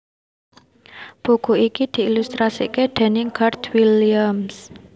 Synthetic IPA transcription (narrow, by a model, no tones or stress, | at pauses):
b̥o̤ɡ̥o̤ikid̪̥i̤ːlust̪ɾasḭkeɖ̪̥ɛ̤nɪŋkart̪wiliams